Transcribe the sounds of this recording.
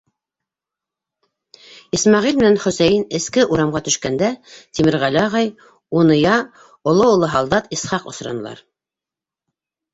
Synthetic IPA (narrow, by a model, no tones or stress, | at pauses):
ismɑʁilmɘ̆nænχɵ̆sæjɘnɘ̆skɘʔuɾɑmʁɑt̪ɵ̆ʃkænd̪æt̪imɘɾʁælɘɑʁɑj | unɤ̆jɑ | ŏlˠoulˠoɦɑlˠd̪ɑt̪isχɑqŏ̰sɾɑ̰nɤ̆lˠɑ̰ɾ